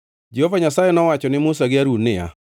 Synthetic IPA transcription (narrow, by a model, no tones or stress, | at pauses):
d͡ʒehovaɲasajɛnɔwat͡ʃɔnɪmʊsaɡɪaɾunɪa̰